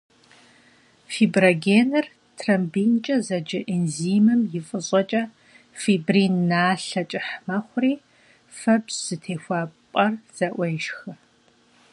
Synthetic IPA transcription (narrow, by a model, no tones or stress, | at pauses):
fiːbrɐɡeːnɨr | tʰrɐmbiːnt͡ʃʼɐzɐd͡ʒɪʔinziːmɨmjɪfʼɨɕʼɐt͡ʃʼɐ | fiːbrinːaːɬɐt͡ʃʼɪħmɐχʷʊriː | fɐbzz̥ɨtʰeːxʷɑːpʼɐrz̥ɐʔʷejʃxɨ